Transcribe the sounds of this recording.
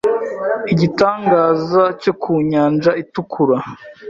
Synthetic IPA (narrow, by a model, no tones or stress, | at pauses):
iɟitaːŋɡaːzaco̞kʰuɲaːnd͡ʒaitukʰuɾa